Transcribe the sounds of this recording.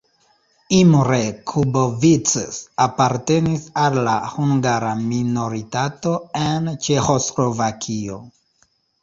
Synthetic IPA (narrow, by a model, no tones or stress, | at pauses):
imɾekʰubovit͡sesapaɾte̞nisalːahuŋɡaɾamino̞ɾitato̞ent͡ʃe̞xo̞slo̞vakʰio̞